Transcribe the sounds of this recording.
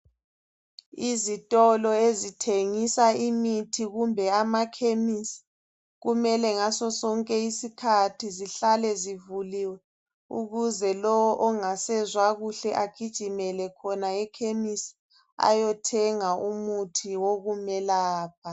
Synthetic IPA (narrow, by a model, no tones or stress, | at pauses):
izitʼɔlɔezitʰeŋisaimitʰiɣumbʱɛamakʰemis | ɣumɛlɛŋasɔsɔŋkʼɛisikʰatʰiziɬalɛzivuliwɛ | ṵɣuzɛlɔwɔʔɔŋasɛzwaɣuɬɛʔaɡ̥ʱid̥ʒ̥ʱimɛlɛkʰɔnaɛkʰemis | a̰jɔtʰɛŋaʔumutʰiwoɣumɛlaːp̚ʰa